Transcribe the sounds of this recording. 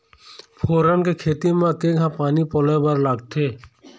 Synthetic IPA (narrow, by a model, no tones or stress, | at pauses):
pʰoːɾənkekʰeːt̪imẽkeɡʱãpaːnipɔləbəɾlaːɡt̪ʰeː